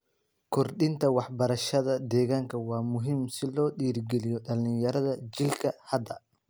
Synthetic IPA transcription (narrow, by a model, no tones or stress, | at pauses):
kʰɔrɗɪnt̪ʰɐwɑħbɐɾɐʃɐðɐd̪ɛːɣaːŋkʰɐwɑːmʊɦimsɪlɔːɗiːrɡɛlɪjɔɗɐlɪnjɐɾɐðɐd͡ʒɪlkʰɐhɐd̪ɐ